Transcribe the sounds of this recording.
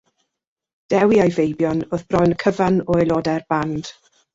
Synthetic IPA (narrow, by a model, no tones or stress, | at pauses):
d̥ɛwiajvejbjɔnoðb̥rɔjnkʰəvanɔɛlˠɔdɛrb̥and̥